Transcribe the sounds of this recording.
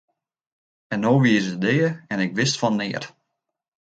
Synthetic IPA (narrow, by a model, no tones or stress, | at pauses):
ɛnːoːʋiəsədejəɛnɪkʋɪstfɔnːɪər